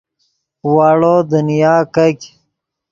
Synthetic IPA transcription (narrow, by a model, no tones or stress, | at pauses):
waːɽoːd̪unijaːkɐk